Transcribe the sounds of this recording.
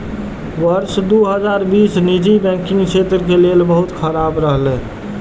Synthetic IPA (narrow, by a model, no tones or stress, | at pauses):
ʋəɾsd̪uɦəd͡ʒaɾbisnid͡ʒibɛ̃kĩŋɡt͡ʃʰet̪ɾəkelelbəɦut̪kʰəɾabɾəɦlẽ